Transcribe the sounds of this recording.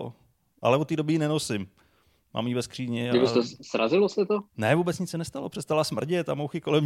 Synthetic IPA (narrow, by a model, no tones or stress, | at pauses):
o̰ | ʔa̰lɛot̪ːiːdobɪinɛnosɪm | ma̰ːmjivɛskr̥iːɲɪɪɪt̪osɾazɪlosɛt̪onɛvuːbɛt͡sɲɪt͡ssɛnɛst̪alo̞pr̥ɛst̪alasmr̩ɟɪt̪amowxɪko̞lɛm